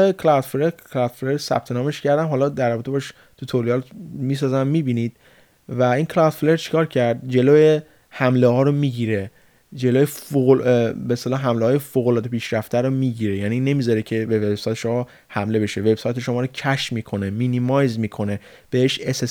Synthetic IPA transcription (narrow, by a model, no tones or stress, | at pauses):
ekʰlad̪fɾeɾkʰlɒd̪fleɾsæ̰b̥̚t̪ʰe̞nɒːmeʃcʰæɾd̪æmɦɒːlɒd̪æɾrːɒbet̪ʰe̞bɒʃ | t̪ʰut̪ʰoliɒlmiːs̬ɒːzæmːiːbiːnid̪̥̚ | væiːŋkʰlɒd̪̥fleɾt͡ʃʰi̥kʰɒːɾcʰæɾd̪d͡ʒe̞loːje | hæmlehɒːɾomiːɟiːɾe̞ | d͡ʒe̞loːjeoobeːst̪elɒːɦæmlehɒːjefoːɣolɒːd̪epʰiːʃɾæft̪ʰæɾomiːɟiːɾe̞jænine̞miːzɒɾecʰe̞be̞ve̞b̥sɒːjt̪ʰeʃo̞mɒ | hæmle̞be̞ʃeve̞bsɒːjt̪ʰeʃo̞mɒːɾocʰæʃmiːkʰo̞ne̞minimɒjzmiːkʰo̞ne̞ | b̥e̞heʃeses